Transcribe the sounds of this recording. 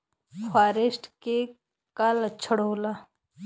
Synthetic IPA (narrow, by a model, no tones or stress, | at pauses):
fʰaːɾesʈʰke | kalət͡ʃʰəɽoːla